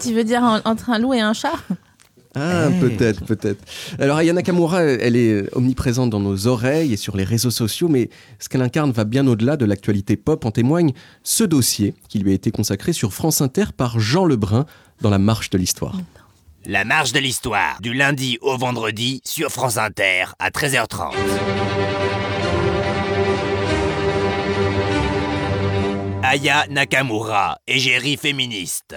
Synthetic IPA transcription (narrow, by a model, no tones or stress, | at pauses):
t̪yvød̪iʁ̃ɑ̃t̪χɛ̃lueɛ̃ʃa | apøt̪ɛt̪χpøt̪ɛt̪χalɔʁajanakamuʁaɛlɛɔ̰mnipχezɑ̃t̪̚d̪ɑ̃nozɔʁɛjesyʁleʁezosɔsjomɛ | sə̥kɛlɛ̃kaʁnvabjɛ̃nod̪əlad̪əlak̚t̪ɥalit̪epɔpɑ̃t̪emwaɲ | səd̪osjekʲilɥiaet̪ekɔ̃sakχesyʁfχɑ̃sɛ̃t̪ɛʁpaʁʒɑ̃ləbʁɛ̃ | d̪ɑ̃lamaʁʃd̪əlist̪wa̰ːʁ | lamaʁʃd̪əlist̪wa̰ːʁd̪ylɛ̃d̪iʔovɑ̃d̪ʁəd̪isyʁfχɑ̃sɛ̃t̪ɛːʁa̰t̪χɛzœʁt̪χɑ̰̃t̪ | ajanakamuʁa̰eʒeʁifeminist̪